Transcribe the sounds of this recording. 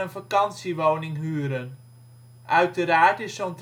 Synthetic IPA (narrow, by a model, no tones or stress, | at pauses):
ənfakɑnsiʋownɪŋɦyəɾən | ʔœɥtəɾaːtɪsont